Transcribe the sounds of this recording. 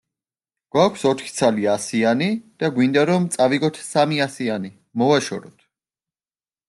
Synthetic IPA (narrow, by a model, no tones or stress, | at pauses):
ɡ̥wakʷʰsɔt̪ʰχi̥t̪sʰaliasianid̪̥aɡwind̪aɾɔmt̪sʼaviɡɔt̪ʰsamiasiani | mɔvaʃɔ̰ɾɔt̪ʰ